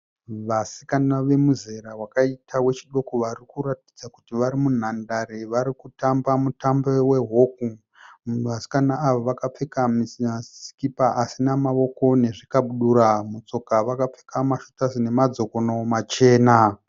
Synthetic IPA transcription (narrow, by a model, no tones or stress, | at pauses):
ʋasi̥kanaʋe̞muze̞ɾawakaitʰawe̞t͡ʃiɗo̞koʋarikuɾati̥d͡zakutiʋaɾimun̤andaɾeʋaɾikutambamutambewe̞ɦoku | ʋasi̥kanaːʋoʋakap͡fekamiasi̥kipaʔasinamaʋo̞ko̞ne̞ʐikaɓuɗuɾamut͡so̞kaʋakap͡fe̥kamaʃo̥tazine̞mad͡zo̞ko̞nomat͡ʃe̞ːna